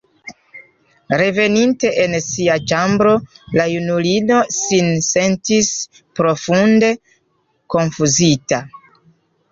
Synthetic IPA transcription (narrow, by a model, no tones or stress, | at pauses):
ɾe̞ve̞ninte̞ʔensiat͡ʃambɾo̞lajunulino̞sinse̞ntis | pɾo̞funde̞ | ko̞nfuzita